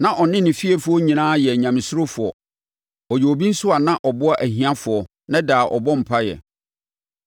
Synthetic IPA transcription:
nã˨ʔɔ˨nɪ̃˦nɪ̃˨fi˦e˨fʊ˨˦ɔ˦ɲĩ˨nãː˦jɛ˨ɲã˨mɪ̃˨sʊ˦ɾʊ˦fʊ˨ɔ˨ | ɔ˨jo˨o˨bĩ˦n̩˦sʊ˦a˨nã˦ʔɔ˨bʊ˦a˦ʔæ˨ɦĩ˨˦ã˦fʊ˨ɔ˨ | nã˦daː˨ʔɔ̰˨bɔ˦m̩˨pʰa˦jɛ̰˨

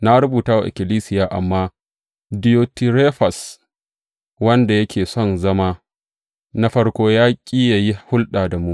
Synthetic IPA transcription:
na˦ɾʊ˦buː˨taː˦wa˨ʔɪ̰˨kʲɪ˨liː˦sɪ˦jaː˨ʔa̰˨mːaː˦ | dɪ˨joː˨tɪ˨ɾeː˦ɸɐ˨s | wɐ˦nda˨jɐ˦kʲʰeː˨sɔ˦nzɐ˦maː˦ | na˦ɸɐ˦ɽkʷoː˦jaː˦kʲʼiː˦ja˨ji˦hʊ˦lɗaː˨da˨mu˦ʔ

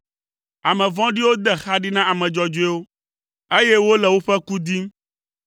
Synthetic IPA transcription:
a˨mɛ̃˨vɔ̃˦ɖi˦wo˦d̪ɛ˨xa˦ɖi˦nã˦a˨mɛ̃˨d͡ʒɔ˨d͡ʒo˦ɛ˦wo˦ | e˦je˦wo˦lɛ˨wo˦ɸɛ˦ku˦d̪i˦m˦

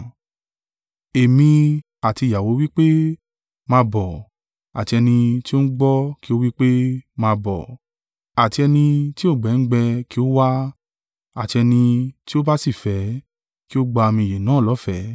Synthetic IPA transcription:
e˨mĩ˧ | a˨ti˧˨ja˨wo˨˦wi˦k͡pe˦ | mãː˧bɔ˨ | a˨ti˧ɛ˧nĩ˧ti˦o˦n̩˦ɡ͡bɔ˦ki˦o˦wi˦k͡pe˦mãː˧bɔ̰˨ | a˨ti˧ɛ˧nĩ˧ti˦o˦˨ɡ͡bɛ˨˦ŋ̩˦ɡ͡bɛ˧ki˦o˦wa˦ | a˨ti˧ɛ˧nĩ˧ti˦o˦ba˦si˦˨fɛ˨˦ | ki˦o˦ɡ͡ba˧mĩ˧je˨nãː˨˦˨lɔ˨˦fɛ˨˦

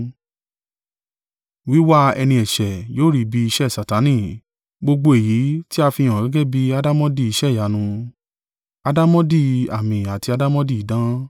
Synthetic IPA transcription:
wi˨˦wa˦ɛ˧nĩ˧ɛ˨ʃɛ˨joː˦ɾi˨˧bi˧i˧ʃɛ˦˨sa˨ta˨˦nĩ˦˨ | ɡ͡bo˧ɡ͡bo˧e˨ji˨˦ti˦a˧fi˧j̃ɔ̃˨ɡɛ˦ɡɛ˦bi˦a˧da˦mɔ̃˦di˦˨i˧ʃɛ˦˨ja˨˦nũ˧ | a˧da˦mɔ̃˦di˦a˨mĩ˨a˨ti˧a˧da˦mɔ̃˦di˦˨i˨˦dã˦

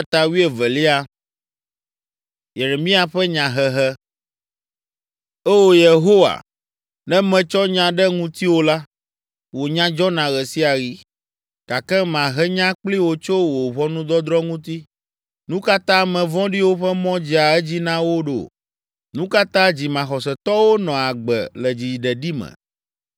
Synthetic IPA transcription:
t̪a˨wi˦e˨vɛ˨li˦a˦ | je˨ɾe˨mĩ˦a˨ɸɛ˦ɲã˨ɦɛ˦ɦɛ˦ | ɛ˦wo˦je˨ɦo˦wa̰˨ | nɛ̃˦mɛ̃˨t͡ʃɔ˦ɲã˨ɖɛ˦ŋũ˦t̪i˦wo˦la˦ | wo˨ɲã˦d͡ʒɔ˦nã˨ɣɛ˨si˦a˨ɣi˨ | ka˨kɛ˦mã˨ɦɛ˦ɲã˦k͡pli˦wo˨t͡ʃo˦wo˨βɔ˦nũ˦d̪ɔ˦d̪ɾɔ˦ŋũ˦t̪i˦ | nũ˦ka˦t̪ã˦mɛ̃˨vɔ̃˦ɖi˦wo˦ɸɛ˦mɔ̃˦d͡ʑi˦a˨ɛ˦d͡ʑi˦nã˦wo˦ɖo̰˨ | nũ˦ka˦t̪ã˦d͡ʑi˨mã˨xɔ˨sɛ˨t̪ɔ˦wo˦nɔ̃˨a˨ɡ͡bɛ̰˨lɛ˨d͡ʑi˨ɖɛ˨ɖi˦mɛ̰̃˨

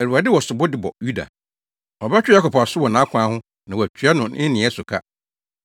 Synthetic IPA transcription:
ɛ˨ɾu˨a˨dɪ˦wɔ˨sʊ˨bʊ˦dɪ˨bɔ̰˨ju˦da̰˨ | ɔ˨ba˦t͡ɕᶣɪ˦ja˦kɔ˨pʰɔ˨a˨sʊ˦wɔ˨nã˨˦kʰʷã˨˦hʊ̃˦ | nã˨wɔ˨æ˨t͡ɕʰᶣɥa˦nʊ̃˨ɪ̃˦nɪ̃˨ɛ˦sʊ˨kʰa̰˦

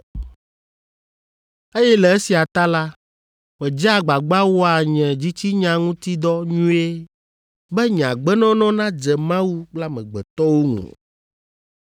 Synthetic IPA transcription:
e˦jɛ˦lɛ˨e˦si˨a˨t̪a˦la˦ | mɛ̃˨d͡ʒa˦˨ɡ͡ba˨ɡ͡ba˦wɔ˦a˨ɲɛ̃˨d͡ʑi˦t͡ɕi˦ɲã˨ŋũ˦t̪i˦d̪ɔ˦ɲũ˦e˦ | bɛ˦ɲã̰˨ɡ͡bɛ˦nɔ̃˦nɔ̃˦nã˦d͡ʒɛ˨mã˦wu˦k͡pla˦mɛ̃˨ɡ͡bɛ˨t̪ɔ˦wo˦ŋṵ̃˨

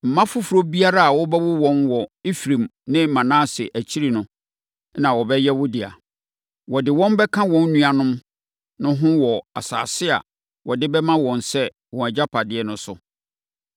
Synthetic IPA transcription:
m̩˨mã˦fʊ˦fu˨ɾo˦bi˦a˦ɾa˦a˨wɔ˦bɛ˦wʊ˦wɔ̃˦nwɔ˨i˦fɾĩ˨mnɪ̃˦˨mã˨nãː˦˨sɪ˨ʔæ˨t͡ɕʰi˦ɾi˨nʊ̃˨ | nã˨wɔ˨bɛ˦jɛ˦wʊ˦dɪ˨a̰˨ | wɔ˨dɪ˨wɔ̃˦mbɛ˦kʰã˦wɔ̃˦nːũ˦a˨nʊ̃˦m | nʊ̃˦ɦʊ̃˦wɔ˨a̰˨sa̰ː˨sɪ˦a̰˨ | wɔ˨dɪ˦bɛ˦mã˦wɔ̃˨nsɛ˦ | wɔ̃˨æ˨d͡ʑa˦pʰa˨dɪ˦ɛ˦nʊ̃˨sʊ˨

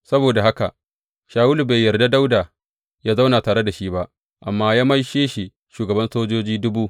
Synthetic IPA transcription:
sɐ˦boː˨da˨ha˦ka̰˨ʔ | ʃaː˨wʊ˦lu˨ba˨jːɐ˨rda˦da˦wdaː˨ | jaː˦za˦wna˨taː˨ɽe˦da˨ʃi˦ba˦ʔ | ʔa˨mːaː˦jaː˦mɐ˦jʃeː˦ʃi˨ | ʃuː˨ɡɐ˨bɐ˦nsoː˦d͡ʒoː˦d͡ʒiː˦dʊ˦buː˦

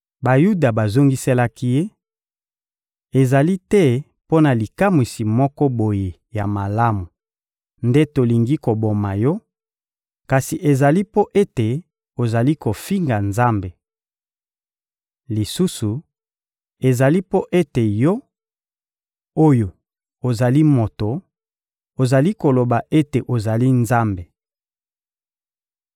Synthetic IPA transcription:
ba˨ju˦da˨ba˨zo˦ŋɡi˦se˦la˦ki˦je˦ | e˨za˨li˦tɛ˦ | po˦na˨li˨ka˦mwi˨si˨mɔ˦kɔ˦bo˨je˨ | ja˨ma˨la˦mu˨ | nde˦to˨li˨ŋɡi˦ko˨bo˨ma˨jɔ˦ | ka˨si˨ʔe˨za˨li˦po˦ʔe˦te˨ | o˨za˨li˦ko˨fi˦ŋɡa˨nza˦mbe˨ | li˨su˦su˨ | e˨za˨li˦po˦ʔe˦te˨jo˦ | o˦jo˨ | o˨za˨li˦mo˨to˨ | o˨za˨li˦ko˨lo˨ba˨ʔe˦te˨ʔo˨za˨li˦nza˦mbe˨

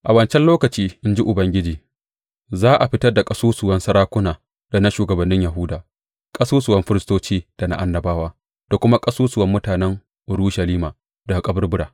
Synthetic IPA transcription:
ʔa˨wɐ˨nt͡ʃɛ˦nloː˦kɐ˨t͡ʃiː˦ʔɪ˦nd͡ʒi˦ʔʊ˨bɐ˦ŋɡʲɪ˦d͡ʒiː˨ | zaː˦ʔa˨ɸɪ˦tɐ˦rda˨kʼɐ˦suː˦sʊ˨wɐ˦nsɐ˦ɾaː˦kʷʊ˦naː˨ | da˨na˦ʃuː˨ɡɐ˨bɐ˨nːɪ˦ɲjɐ˨ɦʊ˦daː˨ | kʼɐ˦suː˦sʊ˨wɐ˦mɸɪ˦ɾɪ˦stoː˦t͡ʃiː˦d̥a˨na̰˨ʔa˦nːɐ˨baː˦waː˦ | d̥a˨kʷʊ˦ma˦kʼɐ˦suː˦sʊ˨wɐ˦mːʊ˦taː˨nɛ˦ŋ | ʔʊ˨ɾuː˦ʃɐ˨liː˦maː˨ | da˨kʼɐ˦bʊ˦rbʊ˦ɽaː˨

